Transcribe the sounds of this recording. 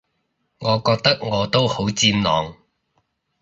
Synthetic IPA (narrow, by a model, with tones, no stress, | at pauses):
ŋɔː˨˧kɔː˧k̚t̪ɐ˥k̚ŋɔː˨˧t̪o˥who˨˥wt͡siː˧mnɔː˨˧ŋ